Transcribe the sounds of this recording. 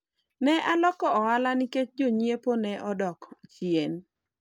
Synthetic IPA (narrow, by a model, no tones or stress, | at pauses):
nɛʔalɔkɔɔalanɪket͡ʃd͡ʒoɲieponɛʔɔdɔkt͡ʃjen